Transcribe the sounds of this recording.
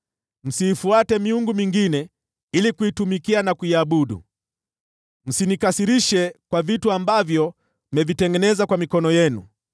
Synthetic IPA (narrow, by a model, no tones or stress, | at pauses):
m̩siːfuatɛmiuŋɡumiŋɡinɛ | ilikuitumikianakuiaɓuɗṵ | m̩sinikasiɾiʃɛkwavituambavjɔ | mɛvitɛŋɡɛnɛzakwamikɔnɔjɛnṵ